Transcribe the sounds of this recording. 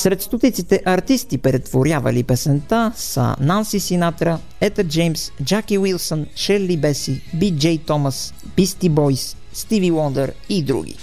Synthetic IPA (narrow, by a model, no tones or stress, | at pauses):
sɾɛt̪st̪ot̪it̪sit̪ɛʔɐɾt̪ist̪ipɾɛt̪voɾʲjavɐ̰lipɛsɛnt̪asə̰nansisinat̪ɾə | ɛt̪əɾd͡ʒɛjmsd͡ʒakiwilˠsənʃɛɾlibɛsibid͡ʒɛjt̪ɔməs | b̥ist̪ibɔjsː | t̪iviwɔnd̪ɛɾ | id̪ɾṵɡ̟ḭ